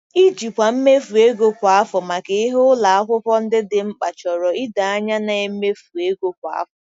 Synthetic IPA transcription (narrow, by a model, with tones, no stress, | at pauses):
i˦d͡ʒi˨kʷa˨m̩˦me˦fu˨e˦ɡo˦kʷa˨a˦fɔ˨ma˨ke˨i˦ɦo˦ʊ˦la˨a˦kʷʊ˦pɔ˦n̩˦dɪ˦dɪ˨ŋ͡m̩˦k͡pa˨t͡ʃɔ˨ɾɔ˨i˦da˨a˦ɲa˦na˨e˦m̩˦me˦fu˨e˦ɡo˦kʷa̰˨a̰˦fɔ˨